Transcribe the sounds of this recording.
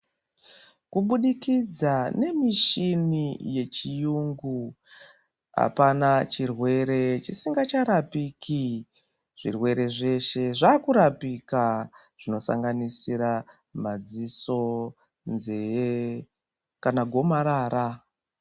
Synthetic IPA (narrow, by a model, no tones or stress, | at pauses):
kuɓuɗikid͡zane̞miʃinije̞t͡ʃijuŋɡu | a̰panat͡ʃirwe̞ɾe̞t͡ʃisiŋɡat͡ʃaɾapikʰi | ʐ̥ḭrwe̞ɾe̞ʐe̞ʃe̞ʐaːkuɾapika | ʐ̥ino̞sa̰ŋɡanisiɾa | mad͡ziso̞ | nze | kanaɡʱo̞maɾaːɾa